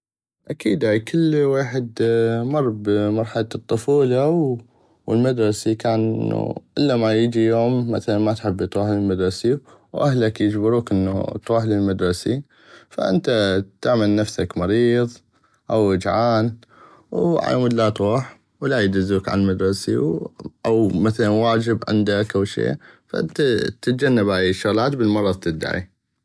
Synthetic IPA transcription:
ʔakiːd̪akʰəlːweːħɪd̪mɑrˤːbmɑɾˤħalat̪ˤːʊfuːlaw | əlmad̪ɾˤɑsikaːnʔɪ̰nːṵʔɪlːamajəd͡ʒijoːmːa̰θalanmat̪ħɪbːjt̪ˤuːħlɪlmad̪ɾˤɑsi | wʔahlakjɪd͡ʒbɪɾuːkʔənːṵt̪ɾuːħlɪlmad̪ɾˤɑsi | fa̰ʔɪnt̪at̪aʕmalnafsakmɑɾiːðˤ | ʔawɪd͡ʒʕaːn | wʕa̰jməd̪lat̪ɾuːħ | wlajd͡ʒ̪ɪzːuːkʕa̰mad̪ɾˤɑsḭwʔawmaθalanwaːd͡ʒɪbʕɪ̰nd̪akʔawʃḛːfaʔɪnt̪at̪ɪt̪̚d͡ʒanːabajʃːʊɣlaːt̪bəlmɑɾˤɑðˤt̪ɪd̪ːa̰ʕḭ

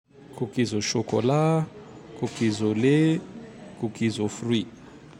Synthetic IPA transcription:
kʰukizɔʃokɔ̰la | kukizole | kukizofrwi

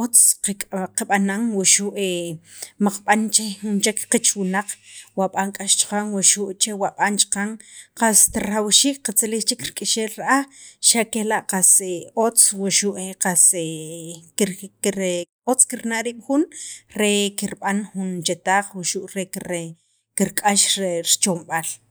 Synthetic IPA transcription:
ʔot͡sqeqaɓanaŋwuʃuʔemaq͡χɓant͡ʃexunt͡ʃekqit͡ʃwinaq͡χwaɓaŋkʼaʃt͡ʃqaŋwuʃuʔt͡ʃewaɓant͡ʃi̥qaŋqast̪ɾawʃiːk̚qat͡silixt͡ʃikɾkʼiʃeːlɾʔaʃakelaʔqaseot͡swaʃuʔeqase | ɾ | ot͡skiɾnaɾiːɓ̥xunɾekiɾɓanxunt͡ʃet̪aːχwuʃuʔɾekɾe | kiɾkʼaʃɾeɾt͡ʃomɓal

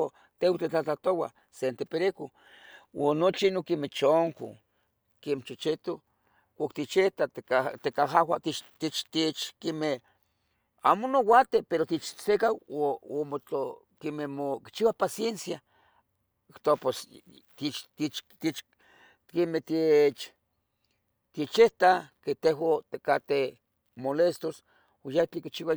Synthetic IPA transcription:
o | t̪ewt̪et͡ɬat͡ɬat̪owa̰ | sent̪epeɾeko | wanot͡ʃinokimet͡ʃoŋko̰ | kemet͡ʃot͡ʃit̪o | kʷakt̪it͡ʃet̪at̪kat̪ekaɦawat̪it͡ʃt̪it͡ʃt̪it͡ʃkime | a̰monowat̪epeɾot̪it͡ʃsekawoomot͡ɬo | kememoki̥t͡ʃiwapasjensja | ikt̪opos | t̪it͡ʃt̪it͡ʃt̪it͡ʃ̪ | kemet̪it͡ʃ | t̪it͡ʃeht̪aket̪eɦat̪ekat̪e | molest̪os | ojaht͡ɬikit͡ʃiwa

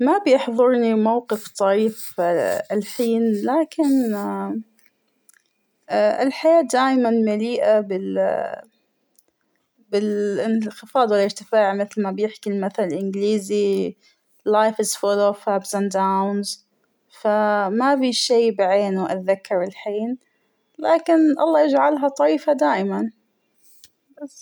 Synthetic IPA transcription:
mabjɪħðˤʊɾˤnimawqɪft̪ˤɑiːfalħiːnlaːkɪn | ʔɪ̰lħajaːd̪aːjmanmɪliːʔabɪl | bɪlɪnxɪfɑːd̪ˤwɪlːɪɾt̪ɪfaːʕmɪθlmabjɪħkilmaθallʔɪnɡliːzi | lajfɪzfʊloːfabsand̪awnz | famafiːʃiːbɪʕeːnwʔa̰ðakːɑɾɪlħiːn | laːkɪnʔɑ̰lˤːɑːjɪd͡ʒʕalɦat̪ˤɑɾiːfad̪aːʔɪman | bas

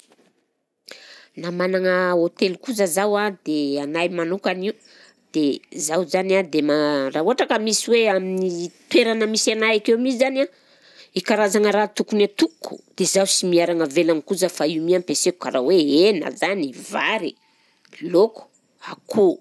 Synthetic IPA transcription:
namanaŋəot̪elukuzəzawad̪eanajmanukaniu | d̪̥ezawzanad̪emaraːuɦaʈ͡ʂakəmisiweaminit̪weɾanəmisanaakewmisizana | ikaɾazaŋəɾat̪ukunat̪ukːu̥̰d̪̥ezawsimiaɾaŋəvelanikuzəfaiumiampesekukaɾaweenə̰zanivaɾi | loku̥ | akʰu

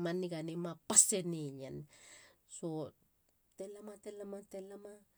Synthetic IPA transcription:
maniɡanimapaseniɲen | so | telamatelamatelama

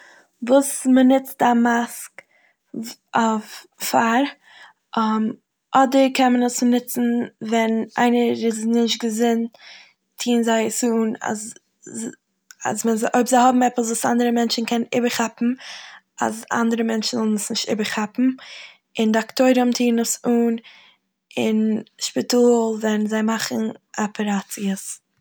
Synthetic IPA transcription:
vuːsmənɪt͡stamask | ʔaʊf | faɾ | ʔm | ʔɔdəɾkʰɛnmənəsnɪt͡sn̩vɛna̰ɪnəɪznɪʃt̚ɡəzɪnt | tʰiːnzaɪəsuna̰z | a̰zmɛnzʔoɪpzaɪhɔbm̩ɛpəs̬vuːsa̰ndəɾəmɛnt͡ʃn̩kʰɛnnɪbəɾχapm̩ | a̰za̰ndəɾəmɛnt͡ʃn̩zɔlˠnəsnɪʃtɪ̰bəɾχapm̩ | ɪndɪaktoɪɾʊmtʰiːnəsuːn | ɪnʃpɪtuːlˠvɛnnzaɪmaχn̩ʔapʰəɾat͡siəs

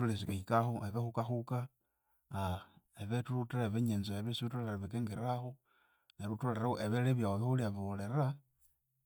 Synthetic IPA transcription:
ulesikeikaxoʔeβexukaxuka | eβetuluteɾaeβeɲenzoeβesiutoleraβekeːŋɡeɾaxo | neɾutoleɾaoʔeβeleβjaoβexuliaβole̞ɾa

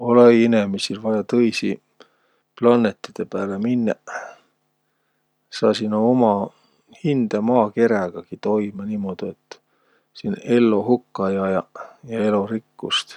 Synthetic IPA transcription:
oleinemisilvɑjɑt̪ɤjsi | plɑnːet̪ːˑid̪̥e̞pæːleminːɑ | sɑːsinoomɑ | hind̪̥ɑmɑːke̞ɾæɡ̥ɑɡ̥it̪o̞imɑniːmo̞d̪̥iet̪ːˑ | sine̞lːo̞hukːɑjɑjɑjɑe̞lo̞ɾikːust̪

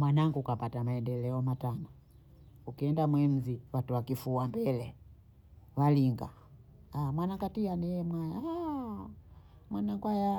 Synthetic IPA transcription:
mwanaŋɡukapatamaɛndɛlɛɔmatana | ukiɛndamwɛm̩ziwatuwakifuambɛlɛ | waliŋɡa | amwanaŋɡatianɛɛmwaja | mwanaŋɡuaja

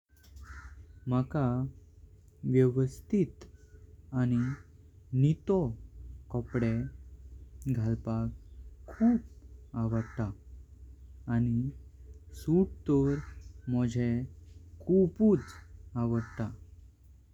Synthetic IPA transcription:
m̤əka | ʋjəʋəst̪ʰit̪ | añi | nit̪ɔkɔpɽe | ɡʱalpakkʰːuːp̚aʋəɽt̪a | ñi | suʈ̚t̪oɾmɔd͡ʑʱekʰupuːt͡saʋəɽt̪a

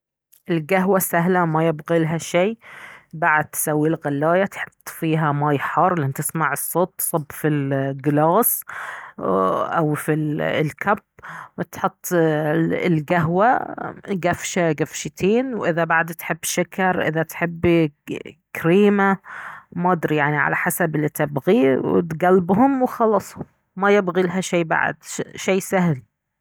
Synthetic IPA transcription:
ʔɪlɡaɦwasaɦlamajɪbɣilɦaʃiːbaʕad̪̚t̪sawːilɣɑlːaːjat̪ħɪt̪ˤːfiːɦamaːjħɑrˤːlʔɪnt̪ɪsmaʕɨsˤːoːt̪ːsˤɑbfilɡɪlɑːs | ʔawfilkʰabwɪt̪ħʊt̪ˤː | ɪlɡaɦwaɡafʃaɡafʃɪt̪ʰeːnwʔɪðabaʕd̪t̪ħɪbːʃakɑɾˤʔɪ̰ðat̪ħɪbː | kɾiːmamɑd̪ɾjaʕniʕa̰la̰ħasabɪlːit̪ɪbɣiwɪ̰t̪ɡælbɦʊmwxɑlɑsˤhʊm | majɪbɣilaɦaʃeːba̰ʕ̰d̪ʃeːsahl

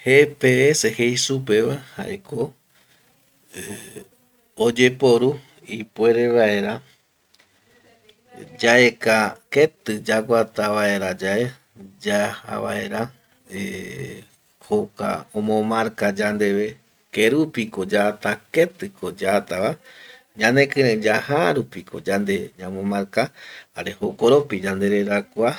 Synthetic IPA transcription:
hepeesehejsupe̞ʋaha̰ʔeko̞ | e | od͡ʒe̞po̞ɾu | ipwe̞ɾe̞ʋaeɾa | d͡ʒaʔekaket̪ɨd͡ʒakʷat̪aʋae̞ɾad͡ʒae | d͡ʒaa̰βa̰ʔe̞ɾa | e | hoka̰õmõmaɾkad͡ʒand̪e̞ʋe̞ | keɾupikod͡ʒaːt̪ake̞t̪ɨkod͡ʒat̪aβa | d͡ʒãnẽkɨẽd͡ʒahaɾupikʰo̞̰d͡ʒand̪e̞ɲamõmãɾkahaɾe̞hokoɾopid͡ʒand̪e̞ɾeɾakʷa

